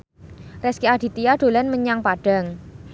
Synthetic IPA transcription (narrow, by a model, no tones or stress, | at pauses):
rɛskiad̥i̤t̪iaɖ̥o̤lanməɲaŋpaɖ̥a̤ŋ